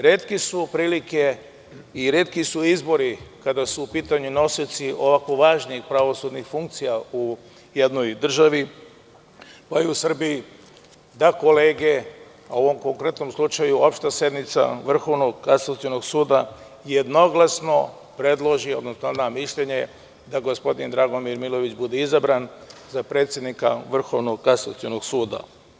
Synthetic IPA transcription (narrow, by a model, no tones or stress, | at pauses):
ɾet̪kisupɾiːlike̞ | iɾe̞t̪kisuizbo̞ɾikad̪asuːpiːt̪aɲuno̞sit̪siʔo̞ʋakoʋaːʒniixpɾaʋo̞sud̪nixfuŋk̚t̪sijau | je̞d̪no̞jd̪r̩ʒaʋi | paiusr̩biji | d̪ako̞leːɡe̞ | oʋo̞mko̞ŋkɾe̞t̪no̞mslˠut͡ʃajuopʃt̪asje̞d̪nmit̪sa̰ʋr̩xo̞ʋnoɡkansat̪siono̞ɡsuːd̪a | jed̪no̞ɡlasno̞ | pɾe̞d̪lˠo̞ʒio̞d̪nosnod̪amiʃʎe̞ɲe̞ | d̪aɡo̞spo̞d̪ind̪ɾaɡomiɾmilˠo̞ʋit͡ʃbud̪eizabɾanzapɾe̞ːt̪sje̞d̪nikaʋr̩xo̞ʋno̞ɡkansat̪ionoɡsuːd̪a̰